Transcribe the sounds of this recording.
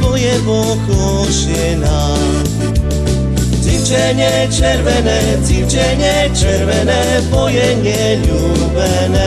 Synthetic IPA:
ɔjɛvɔ | klɔ | ɕɛ | na | ziwt͡ʃɛɲɛ | t͡ʃɛɾvɛnɛ | ziwt͡ʃɛɲɛ | t͡ʃɛɾvɛnɛ | bɔjɛɲɛ | ʎu | vɛ | nɛ

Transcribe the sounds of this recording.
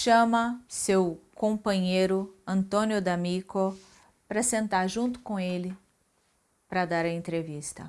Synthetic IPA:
ʃɐ̃mɐsewkõpɐ̃ɲejɾʊɐ̃nt̪õnjʊd̪ɐmiko | pɾɐsẽnt̪aɾʒũnt̪ʊ̥kõelɪ | pɾɐd̪aɾɐẽnt̪ɾevist̪ɐ̰

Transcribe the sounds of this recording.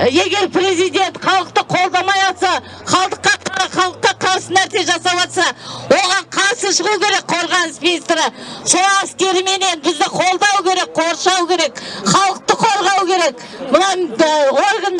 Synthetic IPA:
je̞ɡʲe̞ɾpɾe̞zijd̪ʲe̞nt̪χɑlˠəq̚t̪əqʰo̞lˠd̪ɑmɑjɑlˠsɑ | χɑlˠd̪əqːɑqʰɾɑχɑlˠəqːɑqʰɑɾsənæɾt̪eʒɑsɑpɑt̪sɑwo̞ʁɑɴqʰɑɾsəʃəʁukʲʰe̞ɾe̞k̚qʰo̞ɾʁɑnəsminist̪ɾɪʃoɾɑæskʲe̞ɾɪme̞ne̞nbɪzd̪ɪqʰo̞lˠd̪ɑwəkʲʰe̞ɾe̞k̚qʰo̞ɾʃɑwəkʲʰe̞ɾe̞kχɑlˠəq̚t̪əqʰo̞ɾˠʁɑwkʲʰe̞ɾe̞k | mʊnɑwo̞ɾɡənd̪

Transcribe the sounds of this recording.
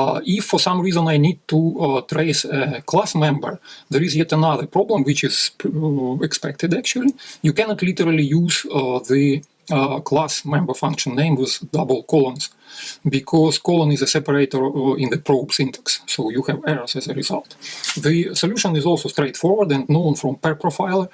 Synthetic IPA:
ɪfːɔ˞sãmɹizə̃najnid̚tutʰɹeɪsəkʰlasmɛ̃mbə˞ðəɹɪzjɛtənaðə˞pɹɔblə̃mwɪt͡ʃɪz̥pɛkspɛk̚tɨdæk̚t͡ʃuəlˠijukænɔtlitəɹəl̩ˠijuzðɨ | kʰlasmɛ̃mbə˞fãŋkʃə̃nnːẽɪ̃mwɪðdabəl̩ˠkʰɔlˠə̃nz̥ | bɪkʰɔz̥kɔlˠə̃nɪzəsɛpəɹeɪtəɹɪ̃nðɨpɹoʊbsɪ̃ntʰə̥ksːoʊjuhɛvɛɹəzɛzəɹɪza̰lˠtðɨsoljuʃə̃nɪzɔlˠsoʊstɹeɪtfɔɹwə˞dɛ̃ndnõʊ̃nfɹɔ̃mpɛɹpɹofaɪlˠə˞

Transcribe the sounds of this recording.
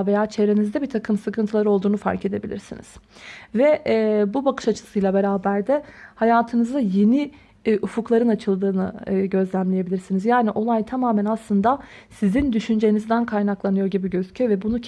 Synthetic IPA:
ve̞jaːt͡ʃʰe̞vɾe̞nizd̪ɛbiɾt̪ʰakʰɯmsɯkʰɯnt̪ʰɯlˠaɾo̞lˠd̪uːnufa̰ɾce̞d̪e̞bilʲḭɾsḭnḭz̥vɛbubakɯʃat͡ʃʰɯ̥sɯjlˠabe̞ɾaːbæɾd̪ɛhajaːt̪ʰɯnɯzd̪aje̞ni | ʔufuklˠaɾɯnat͡ʃʰɯlˠd̪ɯːnɯ̰ɟø̞zlʲæmlʲe̞je̞bilʲiɾsinizjaːniʔo̞lˠajt̪ʰamaːmænaslˠɯnd̪a | sizind̪yʃynd͡ʒejinizd̪ænkʰajnaklˠanɯjo̞ɾɟibiɟøzycʰøvɛbunu

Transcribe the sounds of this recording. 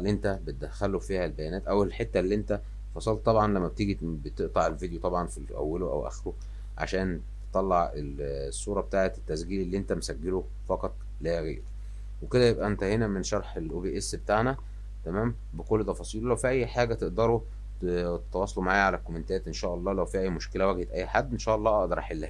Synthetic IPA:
lːiʔent̪æbet̪̚d̪æxːælofiːhælbæjænæːt̪ʔæwelħet̪ːælːiːʔent̪æ | fɑsˤɑlt̪ˤɑbʕɑnlæmːæb̚t̪iɡibet̪eʔt̪ˤɑʕelvid̪ejot̪ˤɑbʕɑnfiʔæ̰wːæloʔæ̰wʔæ̰xɾo | ʕa̰ʃæːnt̪e̥t̪ˤɑlːɑʕelsˤːuːɾˤɑbet̪aːʕet̪et̪ːæsɡiːlelːiːʔent̪æmesæɡːelo | fɑqɑt̪ˤ | læɣḛːɾ | weked̪æjebʔæʔent̪æhenæmenʃɑɾˤħelʔobeːʔesbet̪aːʕnæ | t̪æmæːm | bekolːet̪ːˤɑfɑsˤiːllæwfiʔæjːħaːɡæt̪eʔd̪ɑɾˤo | t̪et̪ːɑwɑsˤːɑlomaʕaːjæʕalælkːomenet̪æːt̪ʔenʃæːʔɑlˤːɑːlæwfiːʔæjːmoʃkelæwæɡhet̪ʔæjːħad̪ːʔenʃæːʔɑlˤːɑːʔɑʔd̪ɑɾˤɑħelːæh

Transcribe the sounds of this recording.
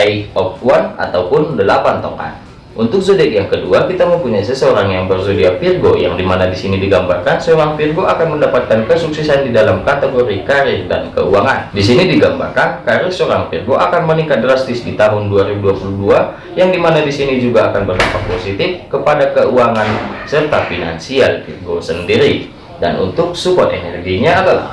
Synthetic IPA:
aiɔp̚wana̰t̪awpʊndəlapant̪o̰ŋa̰n | ʔunt̪ʊk̚zodɛkjaŋkəduakit̪aməmpuɲaisəsəoɾaŋjaŋbərzodiapirɡoja̰ŋdimanadisinidiɡambarkansəoɾaŋpirɡoʔakanməndapat̪̚kankəsuksɛsandidalamkat̪eɡoɾikaɾɪrda̰nkə̰uaŋandisinidiɡamba̰rkankaɾɪrsoɾaŋpirɡoʔakanmənikat̪̚dɾast̪ɪsdit̪aɦʊnduaɾibuduapuluhdua | jaŋdimanadisinid͡ʒuɡaakanbərla̰mpat̪̚posit̪ɪfkəpadakəuaŋansərt̪afina̰nsialpirɡosəndiɾi | da̰nṵnt̪ʊk̚sukɔt̪enɛrɡiɲaːdala̰h

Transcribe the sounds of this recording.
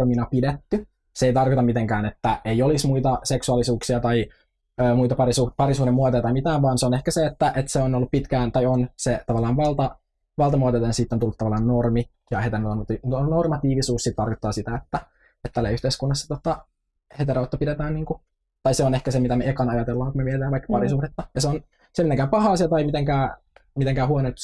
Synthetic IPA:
rminɑpidet̪ːy | seeit̪ɑrkot̪ɑmit̪eŋkæːnet̪ːæejolismuit̪ɑseksuɑlisuːksiɑt̪ɑi | øːmuit̪ɑpɑrisupɑɾisuːɾimːuɑt̪ojɑt̪ɑimit̪æːʋʋɑːnseonehkæseet̪ːæʔet̪seonolːuppit̪kæːnt̪ɑjonset̪ɑʋɑlːˑɑːnʋɑlt̪ɑ | ʋɑlt̪ɑmuɑt̪ot̪ɑɑnsiːt̪ːont̪ulːut̪ɑʋɑlːˑɑːnnormi | jɑhet̪ernormt̪inonormɑt̪iːʋisuːssit̪t̪ɑrkot̪ːɑːsit̪æet̪ːæ | et̪ːælːæ̰yht̪eiskunːɑsːɑ̥t̪ot̪ɑ | het̪eɾɑot̪ːopidet̪æːnniːŋku | t̪ɑjseonehkæsemit̪æmeekɑnɑjɑt̪elːɑːŋkumeʋieit̪æːʋɑikːpɑɾisuhdet̪ːɑjɑseon | semit̪eŋkæːmpɑhɑːsiɑt̪ɑjmit̪eŋkæː | mit̪eŋkæːhuonet̪

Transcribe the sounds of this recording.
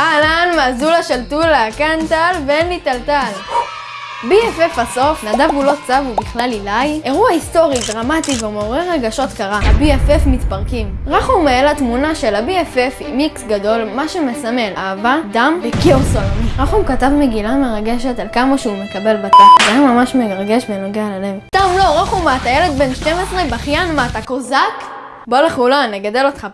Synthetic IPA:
alanmazulaʃeltuleakant̪alvenlit̪altal | biefefaso̞fnadavulo̞t͡savubiχlalilaje̞ʁuaisto̞ʁidʁamativemeoʁeʁeɡaʃo̞t̪kaʁaabiefefmitpaʁkimʁaχumaelat̪munaʃelabiefefimiksɡado̞lmaʃemesame̞laːvadamvekiosolamʁaχumkatavmeɡilame̞ʁaɡe̞ʃetalkamaʃeumekabe̞lbat̪ezeamamaʃmeɡʁɡe̞ʃvenoɡealale̞vst̪amlo̞ʁaχumatajele̞d̪be̞nʃte̞mesʁebaχjanmatakozak | boleχulanːeɡad̪e̞lo̞tχa

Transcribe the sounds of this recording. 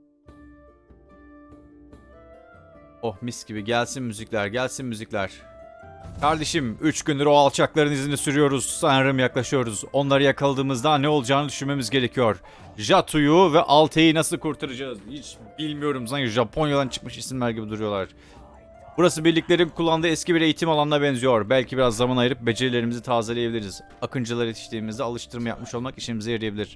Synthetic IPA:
ohmiscibiɟælʲsinmyzicʲlʲæɾɟælʲsinmyziclʲæɾ̥ | kʰaɾd̪e̞ʃimyt͡ʃɟynleɾoalˠt͡ʃʰaklˠaɾɯnizʲinisyɾyjo̞ɾuz̥sanaɾɯmjaklˠaʃɯjo̞ɾuzo̞nlˠaɾɯjakʰalˠd̪ɯːmɯzd̪anːɛo̞lˠud͡ʒaːnɯd̪yʃynme̞mizɟe̞ɾe̞cʰijo̞ɾ̥ | ʒat̪ʰujuvɛʔalˠt̪ʰejinasɯlˠkʰuɾt̪ʰaɾad͡ʒaɯzhit͡ʃ | bilʲmijo̞ɾums̬aniʒapʰo̞njad̪ant͡ʃʰɯ̥kmɯʃisimlʲæɾɟibid̪uɾujo̞lˠaɾ̥ | buɾasɯbiɾlʲiclʲeɾimkʰulˠːand̪ɯːɛscʰibiɾe̞jit̪ʰimalˠanɯd̪abɛnzijo̞ɾbælʲcʰibiɾazːamanajɯɾɯp̚be̞d͡ʒe̞ɾilʲe̞ɾimizit̪ʰaːzalʲˠejebilʲiɾiz̥ | akʰɯnd͡ʒɯlˠaɾet̪ʰi̥ʃt̪ʰiːmizd̪ɛalˠɯʃt̪ʰɯɾmaja̰p̚mɯʃo̞lˠmakiʃinmizɛjeɾijebilʲiɾ̥

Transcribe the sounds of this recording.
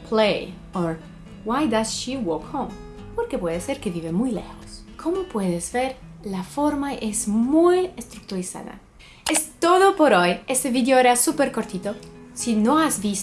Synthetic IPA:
pʰlej | oɾ | wajd̪asʃiwokhõm | po̞ɾke̞pwe̞ðese̞ɾkeβiβemujle̞̰xoskʰo̞mopwe̞ðezβe̞ɾlafo̞ɾmaezmujest̪ɾuk̚t̪uɾisa̰ða̰ | est̪o̞ðopo̞ɾo̞je̞st̪e̞βiðjoeɾasupe̞ɾko̞ɾt̪it̪o̞sino̞azβis

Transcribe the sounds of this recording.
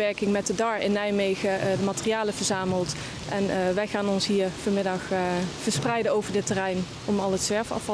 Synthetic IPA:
ɛɹkɪŋmɛtdədɑɹɪnɛjmejɣədəmaːtərijaːləvəɹzaːməlˠt | ʔɛnʋɛjχaːnɔnsɦiːɹfəɹmɪdɑxv̥əɹsprɛjdəowvəɹdɪtərɛjn | ɔmɑlˠətsʋɛɹfɑ̰fɑ

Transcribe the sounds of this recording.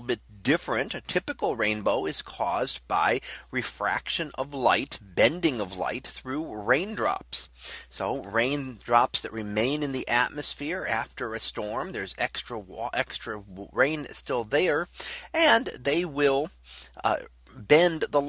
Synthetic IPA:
l̩ˠbɪt̚d̥ɪfɹɨ̃ntɨtʰɪpɨkl̩ˠɹẽɪ̃nboʊɨz̥kʰɔzba̰ɪɹɨfɹæ̰kʃɨ̃nʌ̰vla̰ɪtb̥ɛ̃ndɪ̃ŋʌvla̰ɪt̪θɹuɹẽɪ̃ndɹɑ̰pssoʊɹẽɪ̃ndɹɑpsðɨʔ̚ɹɨmẽɪ̃nɨ̃nðiʔæt̚mɨsfɪɹæftə˞ɨstɔɹmðə˞zɛ̰kstɹ̥əɔʔɛkstɹ̥ɨɹẽɪ̃nstɪlˠðe˞ɨ̃nðeɪwɪlˠ | bɛ̃nðə

